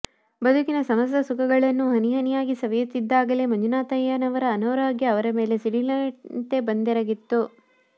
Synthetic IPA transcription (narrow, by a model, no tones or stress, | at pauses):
bɐd̪ʱukinɐsɐmɐst̪ɐsukʰɐɡɐɭɐnːuɦɐniɦɐnijaːɡisɐʋɐjut̪ːid̪ːaːɡɐlemɐɲd͡ʒunaːt̪ɐjɐnɐʋɐɾɐːnoːɾaːɡjɐːʋɐɾɐme̞ːle̞siɽilɐɳʈe̞bɐnd̪ɛɾɐɡit̪ːu